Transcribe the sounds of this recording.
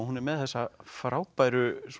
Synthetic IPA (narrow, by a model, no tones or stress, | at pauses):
hunɛɾmɛðθɛsːafɾaːwpajɾʏs